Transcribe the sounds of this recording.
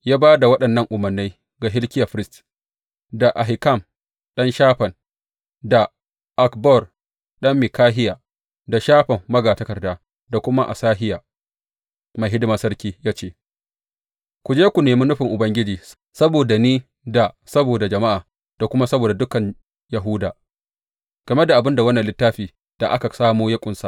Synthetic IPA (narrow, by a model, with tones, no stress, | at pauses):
jaː˦baː˦da˨wɐ˦ɗɐ˨nːɐ˦˨ŋʔʊ˨mɐ˨rnːa˦j | ɡa˨ɦɪ˦lkʲɪ˦ja˨ɸɪ˦ɾɪ˦st | da˨ʔa˨ɦɪ˨ka˦˨m | ɗɐ˦nʃaː˦ɸɐ˨n | da˨ | ʔa˨kbɔ˦˨r | ɗɐ˦mːɪ˨kaː˦ɦɪ˦jaː˨ | da˨ʃaː˦ɸɐ˨mːɐ˦ɡaː˨tɐ˦kɐ˨rdaː˦ | da˨kʷʊ˦ma˦ʔa̰˨saː˦ɦɪ˦jaː˨ | ma˨ɦɪ˦dɪ˦maː˨sɐ˦ɾkʲiː˦jaː˦t͡ʃeː˦˨ | kʷʊ˨d͡ʒeː˦kʷu˨neː˨mi˦nʊ˦ɸɪ˨ŋʔʊ˨bɐ˦ŋɡʲɪ˦d͡ʒiː˨ | sɐ˦boː˨da˨niː˦ | da˨ | sɐ˦boː˨da˨d͡ʒɐ˨ma˦ʔaː˨ | d̥a˨kʷʊ˦ma˦sɐ˦boː˨da˨dʊ˦kɐ˨ɲ | ja˨ɦʊ˦daː˨ | ɡ̥ɐ˨me˦da˨ʔa˨bɪ˦nda˨wɐ˦nːɐ˨lɪ˦tːaː˦ɸiː˨ | d̥a˨ʔa̰˦ka˨saː˦muː˦jɐ˦kʷʼʊ˨nsa˨ʔ